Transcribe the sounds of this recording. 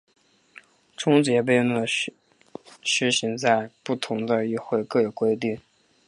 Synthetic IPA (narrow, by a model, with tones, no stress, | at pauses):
ʈ͡ʂʰʊ˥ŋt͡ɕjɛ˧˥p̬e˥˧ɪ˧nə˥˩ | ʂɻ̩˧˥ɕi˧˥ŋt͡sa˥˧ɪpu˥˩t̪ʰʊ˧˥ŋd̪ə˧y˥˧xwe˥˧ɪkɤ˥˩jo˨˩ʊkwe˥ɪt̪i˥˩ŋ